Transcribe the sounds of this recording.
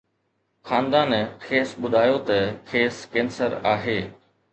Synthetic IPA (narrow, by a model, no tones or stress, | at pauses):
xaːnd̪aːnkʰeːsɓʊd̪ʱaːjot̪ɐkʰeːskẽːnsəɾaːɦeː